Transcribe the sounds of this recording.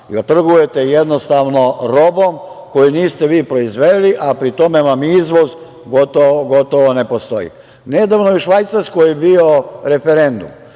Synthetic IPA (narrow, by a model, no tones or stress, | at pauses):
t̪r̩ɡuje̞t̪ejed̪nost̪aʋno̞ɾo̞bomko̞juniːst̪eʋiːpɾo̞izʋedliʔapɾit̪o̞memaːmizʋoz | ɡot̪ooɡo̞t̪oʋone̞post̪o̞̰jḭ | ned̪aʋnojiʃʋajt̪saɾskojebio̞ɾe̞feɾe̞nd̪ṵm